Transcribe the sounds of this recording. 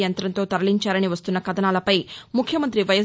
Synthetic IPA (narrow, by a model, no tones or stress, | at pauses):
jɐnt̪ɾɐnt̪o̞ːt̪ɐɾɐliɲt͡ʃaːɾɐniʋɐst̪unːɐkɐd̪ɐnaːlɐpɐjmukʰjɐmɐnt̪ɾiʋɐjɐ